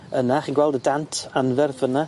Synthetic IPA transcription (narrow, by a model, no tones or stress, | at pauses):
ənaχiːnɡwɛlˠdədantʰanvɛrθəna